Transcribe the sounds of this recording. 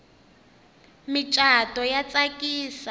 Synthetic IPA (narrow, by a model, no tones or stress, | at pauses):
mit͡ʃʼatʼɔjat͡sʼakʼiːsa